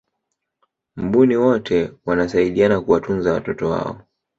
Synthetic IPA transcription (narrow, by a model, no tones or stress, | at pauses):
m̩ɓuniwɔtʰɛwanasaiɗianakuwatunzawa̰tɔtɔwa̰ɔ̰